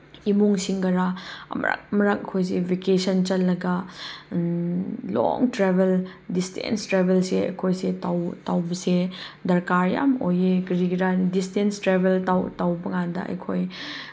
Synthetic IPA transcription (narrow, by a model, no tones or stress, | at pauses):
imuŋsiŋɡɐɾamɐ̰ɾa̰k̚ɐmɐɾak̚ɐkʰojs̬ebikesɐnt͡ʃɐtlːɐɡɐ | lo̰ŋtɾebeldistḛnstɾebelseɐ̰jkʰojsetawtawbɐsedɐɾkaɾja̰mojekɾiɡiɾandistenstɾebʱeltawtawbɐŋandɐ̰ɐ̰jkʰoj